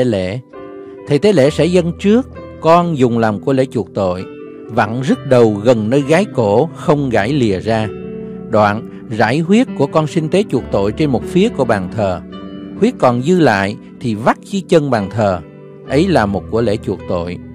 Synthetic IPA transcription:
lḛ˧˩˨ | t̪ʰə˨jt̪e˨˦lḛ˧˥sɛ̰˧˥zə˧nt͡ɕɨ˦˥ək̚ː | ɔ˧nzʊ˨˩ŋ͡mlaː˨˩mku˧˩əlḛ˧˥t͡ɕu˨˩ək̚t̪o̰˧˨j | va̰˧˨nzə˦˥t̚ɗə˨˩wɣə˨˩nːəː˧jɣaː˨˦jko˧˩xə˧wŋ͡mɣa̰ː˧˩jli˨˩əzaː˧ | ɗwa̰ː˧˨n | za̰ː˧˥jɦwi˦˥ət̚ku˧˩əkɔ˧nsï˧ŋ̟t̪e˨˦t͡ɕu˨˩ək̚t̪o̰˧˨jt͡ɕe˧nmo˨˩t̚fi˨˦əku˧˩əɓaː˨˩ŋt̪ʰəː˨˩hwi˦˥ət̚kɔ˨˩nzɨ˧la̰ː˧˨j | t̪ʰi˨˩va˦˥t̚t͡ɕɨ˧t͡ɕə˧nɓaː˨˩nt̪ʰəː˨˩ | ʔə˨˦jlaː˨˩mo˨˩t̚ku˧˩əlḛ˧˥t͡ɕu˨˩ək̚t̪o̰˧˨j

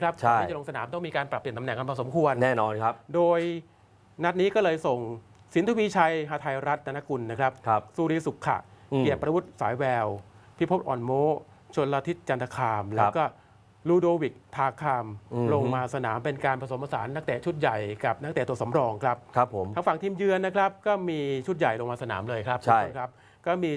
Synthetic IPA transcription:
kʰɾa˦˥p̚ʰa˧˥˩iː˥˩t͡ɕlo˧ŋsa˧naː˩˦mt̪ɔ˥˩miː˧kaː˧npɾa˨˩pːi˨˩nt̪mnɛ˨˩ŋka˧npʰaː˧˩so˩˦mkʰu˧ənnɛː˥˩nɔː˧nkʰa˦doː˧j | na˦˥t̪̚niː˦˥kɔː˥˩lɤː˧jso˨˩ŋ | si˨˩˦nt̪a˧wiː˧t͡ɕʰa˧jɦaː˧t̪ʰa˧jɾa˦˥t̪̚da˧na˦˥kʰu˧nːa˦˥kʰɾa˦˥p̚ʰsuː˧ɾiː˧su˨˩kʰːa̰˨˩kːi˨˩əpɾa˧wu˦˥˩t̪̚saː˩˦jwɛː˧wpʰi˦˥˩pʰo˦˥p̚ʔɔ̰ː˨˩nmoː˦˥ | t͡ɕʰo˧lːa˧t̪ʰi˦˥t̪̚t͡ɕa˧nt̪ʰa˧kʰaː˧mlɛː˦˥˦kɔː˥˩ | luː˧doː˧wi˨˩k̚t̪ʰaː˧kʰaː˧m˧lo˧ŋmaː˧sa˧naː˩˦mpe˧nkaː˧npɾa˧so˩˦mʔaː˧saː˩˦nːa˥˩k̚t̪ɛː˨˩t͡ɕʰu˦˥t̪̚ja˨˩jka˨˩p̚na˥k̚t̪ɛ˨˩t̪u˧əso˩˦mɾɔː˧ŋkʰɾa˦˥p̚ʰtmʰaː˦˥ŋfa˨˩ŋt̪ʰiː˧mjɯ˧ənːa˦˥kʰɾa˦˥p̚kɔː˥˩miː˧t͡ɕʰu˦˥t̪̚ja˨˩jlo˧ŋmaː˧sa˧naː˩˦mlɤː˧jkʰɾa˦˥p̚kʰɾa˦˥p̚ | kɔː˥˩miː˧

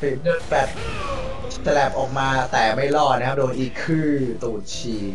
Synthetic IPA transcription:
fi˨˩˦nɯ˥˩npɛ˨˩t̚ | ta˧lɛ˨˩p̚ʔɔː˨˩k̚maː˧t̪ɛː˨˩ma˥˩jlɔː˥˩t̪̚na˦˥ka˦˥doː˧nʔiː˨˩kʰːɯː˥˩t̪uː˨˩t̪̚t͡ɕʰiː˨˩

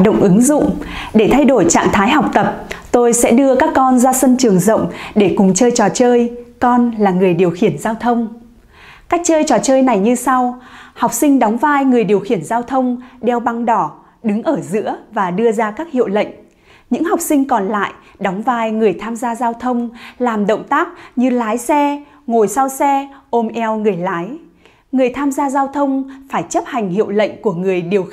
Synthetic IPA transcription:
ɗə̰˧˨wŋ͡mʔɨ˨˦ŋzʊ̰˧˨ŋ͡mɗe˧˩t̪ʰa˧jɗo˧˩jt͡ɕa̰ː˧˨ŋt̪ʰaː˨˦jɦa˨˩wk͡p̚t̪ə˨˩p̚t̪o˧jsɛ̰˧˥ɗɨ˧əkaː˦˥kːɔ˧nzaː˧sə˧nt͡ɕɨ˨˩əŋzə̰˧˨wŋ͡mɗe˧˩kʊ˨˩ŋ͡mt͡ɕəː˧jt͡ɕɔ˨˩t͡ɕəː˧jkɔ˧nlaː˨˩ŋɨ˨˩əjɗi˨˩əwxi˧˩ənzaː˧wt̪ʰə˧wŋ͡m | kaː˦˥k̚t͡ɕəː˧jt͡ɕɔ˨˩t͡ɕəː˧jna˨˩jɲɨ˧sa˧wha˨˩wk͡p̚sï˧ŋ̟ɗɔ˨˦wŋ͡mvaː˧jŋɨ˨˩əjɗi˨˩əwxi˧˩ənzaː˧wt̪ʰə˧wŋ͡mɗɛ˧wɓa˧ŋɗɔ˧˩ | ɗɨ˨˦ŋʔəː˧˩zɨ̰˧˥əvaː˨˩ɗɨ˧əzaː˧kaː˦˥k̚hḭ˧˨əwlə̰˧˨jŋ̟ | ɲɨ̰˧˥ŋha˨˩wk͡p̚sï˧ŋ̟kɔ˨˩nla̰ː˧˨jʔ | ɗɔ˨˦wŋ͡mvaː˧jŋɨ˨˩əjt̪ʰaː˧mzaː˧zaː˧wt̪ʰə˧wŋ͡mlaː˨˩mɗə̰˧˨wŋ͡mt̪aː˦˥k̚ɲɨ˧laː˨˦jsɛ˧ | ŋo˨˩jsa˧wsɛ˧ʔo˧mʔɛ˧wŋɨ˨˩əjlaː˨˦j | ŋɨ˨˩əjt̪ʰaː˧mzaː˧zaː˧wt̪ʰə˧wŋ͡mfaː˧˩jt͡ɕə˦˥p̚ha˨˩jŋ̟hḭ˧˨əwlə̰˧˨jŋ̟ku˧˩əŋɨ˨˩əjɗi˨˩əw

